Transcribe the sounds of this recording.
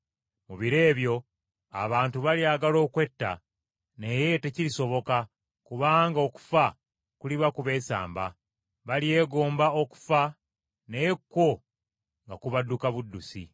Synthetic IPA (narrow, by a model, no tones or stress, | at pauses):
muβiɾe̞ːβjo̞ | a̰βaːntuβaliaɡalo̞ːkwe̞tːa̰ | ne̞je̞te̞ciɾiso̞βo̞ka | kuβaːŋɡao̞ku̥fa | kuliβakuβe̞ːsa̰ːmba | βalie̞ːɡo̞ːmbao̞ku̥fa | nejekːo̞ | ŋɡakuβadːukaβudːusḭ